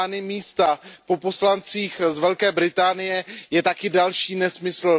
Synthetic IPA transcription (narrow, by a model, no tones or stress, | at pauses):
nɪmiːst̪apo̞po̞slant͡siːxzvɛlkɛːbɾɪt̪aːnɪjɛjɛt̪akɪdalʃiːnɛsmɪsl̩